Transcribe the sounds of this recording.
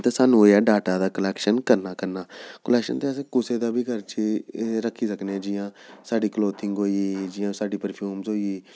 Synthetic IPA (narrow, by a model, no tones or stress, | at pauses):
t̪eːsaːnũːaːɖaːʈaːd̪aːkəlɛːkʃənkəɾnaːkəɾnaːkəlɛːkʃə̰nt̪eəsẽkʊseːd̪aːbʱiːɡəɾt͡ʃiɾəkʰːiːsəkneːɛ̃ːd͡ʒɪjãːsaːɖiːkloːt̪ʰɪŋɡɦoːiːd͡ʒɪjãːsaːɖiːpəɾpʰjuːmzoːiiː